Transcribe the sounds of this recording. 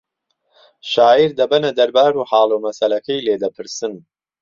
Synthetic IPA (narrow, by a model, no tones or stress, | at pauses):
ʃaːiɾd̪ɐbɐnɐd̪ɐɾbaːɾuːħɑːlˠuːmɐsɐlɐkʰɐjleːd̪ɐpʰɨɾsɨn